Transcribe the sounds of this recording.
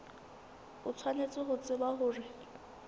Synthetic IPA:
ʊt͡sʰwanet͡sʼɪɦʊt͡sʼɪbahʊːrɪ

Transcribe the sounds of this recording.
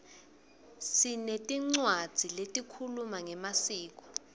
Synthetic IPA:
sinetʼiŋ͡ǀwad̥d͡z̥ʱiletʼikʰulumaŋɛmasiːk̬ʼɔ̥

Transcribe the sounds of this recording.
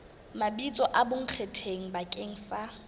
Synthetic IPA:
mabit͡sʼɔʔabʊŋ̩q͡χʰetʰeŋ̩bakʼeŋ̩ːsa

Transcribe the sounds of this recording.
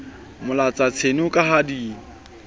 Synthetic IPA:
mʊlat͡sat͡sʰenʊkʼaɦadiːŋ̩

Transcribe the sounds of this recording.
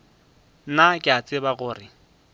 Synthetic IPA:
nakʼɪat͡sʼɪbaɣʊːrɪ

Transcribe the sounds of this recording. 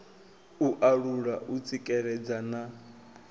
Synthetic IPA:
uʔaɺuɺaʔut͡sʼikʼɛɺɛd͡zana

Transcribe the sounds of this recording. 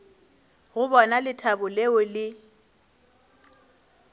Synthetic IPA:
ɣʊbɔnalɪtʰabʊleʊlɪ

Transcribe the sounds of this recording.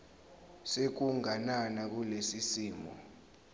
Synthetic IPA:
sek̬uŋananak̬ulesisiːmɔ̰

